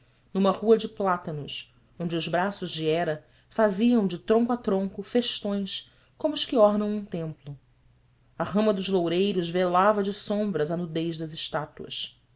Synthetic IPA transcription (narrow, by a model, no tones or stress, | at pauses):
nũmɐhuɐd͡ʒɪplat̪ɐnʊs | õnd͡ʒɪʊzbɾasʊʒd͡ʒɪɛɾɐ | faziɐ̃w̃d͡ʒɪt̪ɾõŋkuat̪ɾõŋkʊfeʃt̪õj̃s | kõmʊʊʃkɪɔɦnɐ̃w̃ũt̪ẽmplʊ | aɦɐ̃mɐd̪ʊzlowɾejɾʊzvelavɐd͡ʒɪsõmbɾɐzɐnud̪ejʒd̪ɐzɪʃt̪at̪uɐ̰s